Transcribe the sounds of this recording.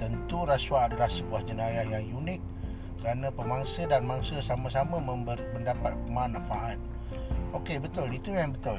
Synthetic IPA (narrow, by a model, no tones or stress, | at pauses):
t̪ənt̪uɾaswaadəlahsəbuahd͡ʒənajahjaŋjunɪk̚ː | əɾanə̃pəmaŋsədanmaŋsəsaməsaməməmbərməndapat̪̚pəmanãfaʔat̪̚ | ʔokebət̪ʊlit̪ujanbət̪ʊl